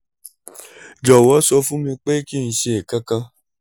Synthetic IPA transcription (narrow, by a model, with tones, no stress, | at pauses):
d͡ʒɔ˨wɔ˨˦sɔ˧fũ˦mĩ˧k͡pe˦kĩ˦˨˧ʃe˧e˨ka˦kã˧